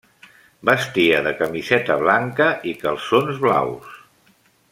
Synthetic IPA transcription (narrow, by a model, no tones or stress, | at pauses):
bəst̪iəðəkəmizɛt̪əβ̞laŋkəʔikəlˠsonzβla̰ws